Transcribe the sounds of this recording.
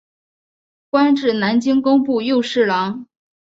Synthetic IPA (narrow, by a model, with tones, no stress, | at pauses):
kwa˥nʈ͡ʂɻ̩˥˩na˧˥nt͡ɕi˥ŋkʊ˥ŋpu˥˧jo˥˧ʊʂɻ̩˥˩lɑ˧˥ŋ